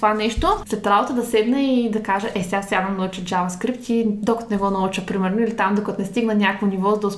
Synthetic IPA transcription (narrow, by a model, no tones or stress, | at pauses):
t̪ovanɛʃt̪oslɛt̪ːɾabot̪əd̪ɐsɛd̪nəid̪ɐkaʒəʔɛsʲafsʲad̪ɐnɐut͡ʃəd͡ʒavɐskɾip̚t̪id̪okət̪nɛɡɔnɐut͡ʃəpɾimɛɾnoilit̪amd̪okɐt̪onɛst̪iɡnənʲakvonivɔzd̪os